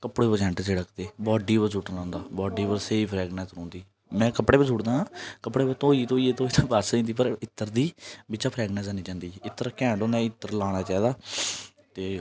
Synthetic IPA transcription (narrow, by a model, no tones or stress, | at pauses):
kəpɽeːbəd͡ʒɛ̃ːɳʈd͡ʒeːɽəkd̪eːbɔːɖiːʋəɾsuʈlãːnd̪aːbɔːɖiːʋəɾseːiːpʰɾɛːɡnɛ̃ːnsõːnd̪iː | mɛ̃ːkəpɽeːbəsuːʈd̪ãːaːkəpɽeːbət̪õːiːt̪õːieːt̪õːit̪ʰːbaːsĩːnd̪iːp̬əɾɪt̪ːəɾd̪iːbɪt͡ʃaːpʰɾɛːɡnɛ̃ːnsaːniːd͡ʒãːnd̪iːɪt̪ːəɾkɛ̃ːɳɖõːnd̪aːɪt̪ːəɾlaːɽ̃aːt͡ʃaːiːd̪aː | t̪eː